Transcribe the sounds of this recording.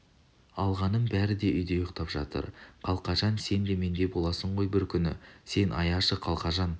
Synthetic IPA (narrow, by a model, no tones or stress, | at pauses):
ɑlˠʁɑnənbæɾɪd̪e̞ʔʏjd̪e̞jʊqt̪ɑpʒɑ̰t̪ə̰ɾqʰɑlˠqɑʒɑnse̞nd̪e̞me̞nd̪e̞bo̞lˠɑsəɴʁo̞jbɪɾkʲʰʏnɪ̰se̞nʔɑ̰jɑʃəqʰɑlˠqɑʒɑn